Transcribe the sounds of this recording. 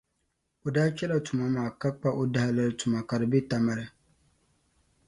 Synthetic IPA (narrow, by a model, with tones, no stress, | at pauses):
o˨daː˦t͡ʃɛ˦la˨tʊ˨ma˦maː˨ka˦k͡pa˦ʔo˦da˦ha˦lɨ˦ɾɨ˦tʊ˨ma˨ka˨dɨ˨bɪ˦ta˨ma˦ɾɨ˦